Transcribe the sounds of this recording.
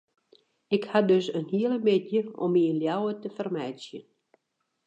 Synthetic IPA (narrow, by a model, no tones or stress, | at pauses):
ɪkhadøsənhiələmɪtjəɔ̰miənljawətəfərmɛjsjə̰n